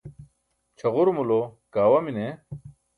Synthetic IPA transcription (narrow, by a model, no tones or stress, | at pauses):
t͡ɕʰɐʁuɾmulokaːwɐmine